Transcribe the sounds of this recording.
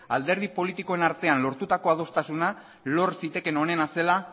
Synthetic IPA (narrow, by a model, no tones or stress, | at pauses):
ald̪e̞ɾð̞ipo̞lit̪iko̞e̞naɾt̪e̞anlo̞ɾt̪ut̪ako̞aðo̞st̪asuna | lo̞ɾsit̪e̞ke̞no̞ne̞nase̞la